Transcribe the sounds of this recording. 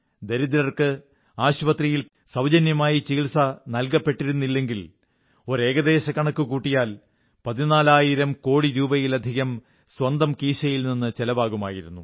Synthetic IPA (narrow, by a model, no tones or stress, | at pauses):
d̪eɾid̪ilɐrkɨ | aːɕpɐt̪rijil | sɐwd͡ʑɐnjɐmaːjit͡ɕiːɭsɐnɐlkɐpːe̞ʈːiɾunːilːe̞ŋɡil | o̞ɾe̞ːɡɐd̪e̞ːɕɐkːɐɳɐkːɨkuːʈːijaːl | pɐðinaːlaːjiɾɐmko̞ːɽiɾuːbɐjilɐd̪ʱiɣɐm | swɐnd̪ɐmkiːɕɐjilninːɨt͡ɕelɐbaːɣuma̰ːjiɾunːu